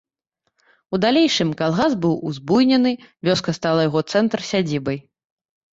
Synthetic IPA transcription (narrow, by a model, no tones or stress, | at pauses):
ud̪alʲejʂɨmkalˠɣasbɨwuzbujnʲɛnɨvʲɔskɐst̪alˠɐjaɣɔt̪sɛnt̪rsʲad͡zʲibɐj